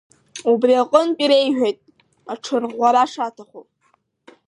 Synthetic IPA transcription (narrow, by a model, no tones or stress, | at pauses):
ubriaqʼənpʼiɾejʒᶣejtʼ | aʈ͡ʂʰɨrʁʷaɾaʂatʰaχʷo